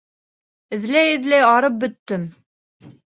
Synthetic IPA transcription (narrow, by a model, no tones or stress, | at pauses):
ɘ̆ðlæjɘ̆ðlæjɑɾɤp̚bɵ̆t̪ːɵm